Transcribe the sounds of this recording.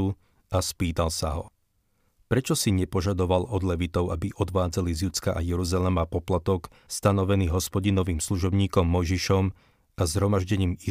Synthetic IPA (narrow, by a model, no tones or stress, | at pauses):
u | aspiːt̪alsaɦɔ | pɾɛt͡ʃɔsiɲɛpɔʒad̪ɔʋalɔd̪lɛʋit̪ɔʊabiʔɔd̪ʋaːd͡zalizjut͡skaʔajɛɾuzalɛmapɔplat̪ɔk | st̪anɔʋɛniːɦɔspɔɟinɔʋiːmsluʒɔbɲiːkɔmːɔjʒiʃɔm | azɦɾɔmaʒɟɛɲiːmi